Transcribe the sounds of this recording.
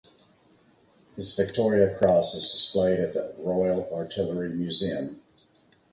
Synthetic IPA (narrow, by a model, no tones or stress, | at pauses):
hɨzvɨk̚tʰɔɹiɨkʰɹ̥ɔsəzdɨspleɪɾɨt̪̚ðəɹɔɪl̩ˠɑɹtʰɪlˠə˞imjʉziɨ̃m